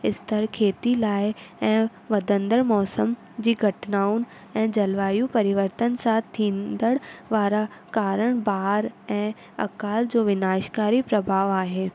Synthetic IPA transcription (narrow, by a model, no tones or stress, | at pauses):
ɪst̪əɾkʰeːt̪ilaːɪɛ̃ː | ʋɐd̪ə̃nd̪əɽmɔːsəm | d͡ʑiːɡʱɐʈnaːʊn | ɛ̃ːd͡ʑɐlʋaːjũpɐɾɪʋəɾt̪ənsaːt̪ʰːĩːnd̪əɽʋaːɾakaːɾəɽ̃baːɦɾɛ̃ː | ɐ̰kaːld͡ʑoːʋɪnaːʃkaːɾipɾɐbʱaːʋaːɦeː